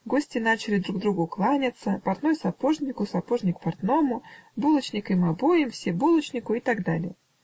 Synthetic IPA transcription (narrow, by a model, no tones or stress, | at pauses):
ɡo̞sʲtʲɪn̪at͡ɕɪlʲɪd̪ɾuɡ̚d̪ɾuɡʊklˠanʲɪt̪səpɐrt̪nojsɐpo̞ʐnʲɪkʊsɐpo̞ʐnʲɪkpɐrt̪no̞mʊbulˠət͡ɕnʲɪkɨmɐbo̞jɪmfsʲebulˠət͡ɕnʲɪkʊɪt̪aɡd̪alʲɪjə